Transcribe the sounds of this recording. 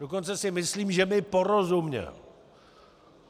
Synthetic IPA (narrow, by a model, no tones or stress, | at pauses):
dokont͡sɛsɪmɪsliːmʒɛmɪpo̞ɾozumɲɛ̰l